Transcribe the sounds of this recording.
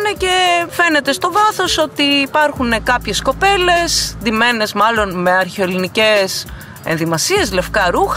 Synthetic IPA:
necefe̞ne̞t̪est̪o̞vɐθo̞so̞t̪iːpɐɾxune̞kɐpçe̞sko̞pe̞le̞sd̪ime̞ne̞zmɐlo̞nme̞ɐɾçeo̞linice̞s | ḛnðimɐsie̞zle̞fkɐɾux

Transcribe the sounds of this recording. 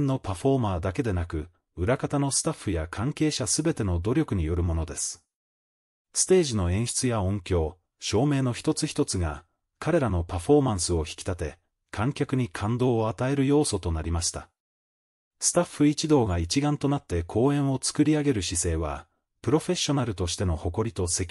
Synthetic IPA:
nnːo̞paɸo̞maːd̪ake̞d̪e̞nakɯ̟ | ɯ̟ɾakat̪ano̞sɨ̥t̪aɸːɯjakʰãŋke̞ːɕasɨbe̞t̪e̞no̞d̪o̞ɾʲo̞kɯ̟ɲ̟ijo̞ɾɯ̟mo̞no̞d̪e̞sɨ̥ | sɨ̥t̪e̞ːʑino̞ẽ̞ɰ̃ɕi̥t͡sɨjaõ̞ŋkʲo̞ː | ɕo̞ːme̞ːno̞çi̥t̪o̞t͡sɨçi̥t̪o̞t͡sɨɡa | kaɾe̞ɾano̞paɸo̞mãɰ̃sɨo̞çi̥kʲi̥t̪at̪e̞ | kʰãŋkʲakɯ̟ɲ̟ikʰãnd̪o̞ːat̪ae̞ɾɯ̟jo̞ːso̞t̪o̞naɾʲimaɕi̥t̪a | sɨ̥t̪aɸːɯ̟it͡ɕid̪o̞ːɡait͡ɕiɡãnt̪o̞nat̪ːe̞kʰo̞ːẽ̞ɰ̃o̞t͡sɨ̥kɯ̟ɾʲiaɡe̞ɾɯ̟ɕise̞ːβ̞a̰ | pɯ̟ɾo̞ɸe̞ɕːo̞naɾɯ̟t̪o̞ɕi̥t̪e̞no̞ho̞ko̞ɾʲit̪o̞se̞kʲi

